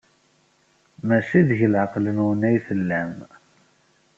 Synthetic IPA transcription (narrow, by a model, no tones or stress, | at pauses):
mæʃiðʝəlʕəqlənwənæjθəlːæm